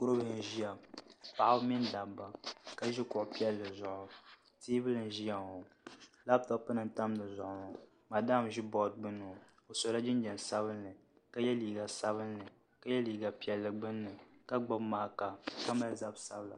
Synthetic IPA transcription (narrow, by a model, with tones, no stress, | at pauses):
kʊ˦ɾɨ˦bɨ˦˨n˨˦ʒi˦ja˨pa˨ʔa˦bmi˦nda˨ba˦ka˦ʒi˦kʊ˨ʔʊ˨pi˦ɛ˦lːɨ˨zʊ˨ʔʊ˨ | tiː˦bɨ˦lɨ˨n˨ʒi˦ja˨ŋo˨ | la˦btɔ˦pɨ˦nɨ˦n̩˦ta˦mnɨ˨zʊ˨ʔʊ˨ŋa˨ | maː˨da˦˨mʒi˦bɔ˦d̚ɡ͡bɨ˦nːɨ˨ | o˨so˨la˦d͡ʒɪ˦n˦d͡ʒɛ˨n˨sa˦βɨ˦nːɨ˨ | ka˦jɛ˦liː˨ɡa˨sa˦βɨ˦nːɨ˨ | ka˦jɛ˦liː˨ɡa˨pi˦ɛ˨lːɨ˨ɡ͡bɨ˦nːɨ˨ka˦ɡ͡ba˦bmaː˦ka˨ka˦ma˦lza˦bsa˦bla̰˨